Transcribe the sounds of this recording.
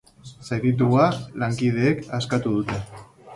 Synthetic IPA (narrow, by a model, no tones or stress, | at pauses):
seβit̪̬ualaŋkið̞e̞ːkaskat̪uð̞ut̪e̞